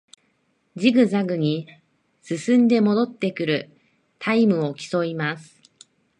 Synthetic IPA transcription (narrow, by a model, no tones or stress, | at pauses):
d͡ʑiɡɯ̟zaɡɯ̟ɲ̟i | sɨsɨ̃nd̪e̞mo̞d̪o̞t̪ːe̞kɯ̟ɾɯ̟ | t̪ʰaimɯ̟o̞kʲi̥so̞imasɨ̥